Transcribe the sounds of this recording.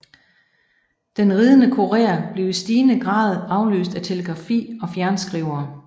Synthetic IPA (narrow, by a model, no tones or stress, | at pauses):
d̥enʁiːð̞ˠənəkʰo̝ʁḛːɐb̥le̝ʊisd̥iːnəɡ̥ʁɑ̰̈ːð̞̩ˠɑ̈ʊlø̰ːsd̥æt͡sʰe̝ləɡ̥ʁɑ̈fḭːɒ̽fjæɐnsɡ̥ʁiʊɐː